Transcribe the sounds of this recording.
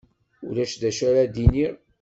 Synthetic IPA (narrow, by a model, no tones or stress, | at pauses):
ʊɾæʃd̪æʃæɾad̪iniɾ